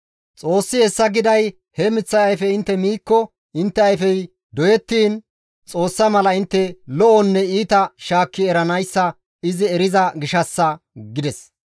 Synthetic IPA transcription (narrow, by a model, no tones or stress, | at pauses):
t͡sʼo̞ːsːɪhɛsːɐɡɪd̪ɐj | hɛmɪt͡sːɐjɐjfɛɪnt̪ːɛmiːkːɔ | ʔɪnt̪ːɛɐjfɛj | d̪ɔjɛt̪ːiːn | t͡sʼo̞ːsːɐmɐlɐɪnt̪ːɛlɔʔɔnːɛiːt̪ɐʃaːkːɪɛɾɐnɐjsːɐ | ɪzɪɛɾɪzɐɡɪʃɐsːɐɡɪd̪ɛs